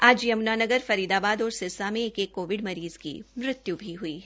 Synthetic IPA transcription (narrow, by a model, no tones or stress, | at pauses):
aːd͡ʒjɐmnaːnɐɡəɾfɐɾiːd̪aːbaːd̪ɔːɾsɪsamẽeːkeːkːoːʋɪɖmɐɾiːz̥kḭmɾɪt̪jubʱiɦuiː